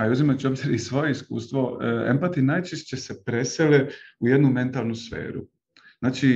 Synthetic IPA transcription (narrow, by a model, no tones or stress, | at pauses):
aiuzimat͡ɕobziɾisʋo̞je̞iskṵːst̪ʋo̞ḛmpat̪inaːjt͡ʃeʃt͡ɕesepɾe̞seleuje̞d̪nume̞nt̪alˠnusfḛːɾṵ | znaːt͡ʃi